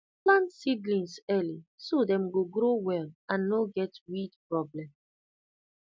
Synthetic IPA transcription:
plãntsiɡlĩnsɛlisodɛ̃mɡoɡɾowɛlãnːoɡɛtwidpɹɔblɛ̃m

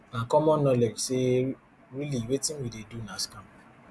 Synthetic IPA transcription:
nãkɔmɔ̃nɔ̃lɛɡse | ɾiliwetĩwidedunãskã

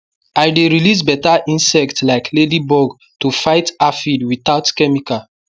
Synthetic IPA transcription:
ajdeɹilis̬bɛtaʔĩnsɛktlaɪkʰledibɔɡ | tufaɪtafidwiθaʊtkɛmika

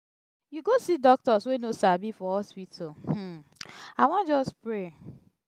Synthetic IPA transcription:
juɡosidɔk̚tɔswenosabifɔɔspitʰo | awɔ̃nd͡ʒɔspɹe

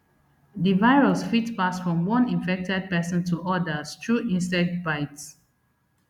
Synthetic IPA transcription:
divaɪɹusfitpasfɹɔ̃mwɔ̃nĩnfɛk̚tɛd̚pɛsə̃ntʰuʔɔdəstʰɹuʔĩnstɛk̚tbaɪts

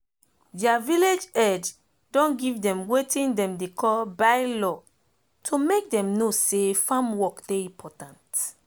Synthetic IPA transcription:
diaviled͡ʒɛd͡ʒ | dɔ̃nɡivdɛ̃mwetĩndɛ̃mdekʰɔlbajlɔ | tʰomek̚dɛ̃mnosefãmwɔkd̥eĩpʰɔtãnt

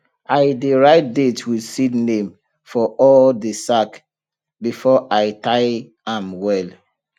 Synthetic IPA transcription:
ʔaɪdeɹaɪt̚detwidsinẽm | fɔɔldesak | bifɔʔaɪtaɪ | ãmwɛl

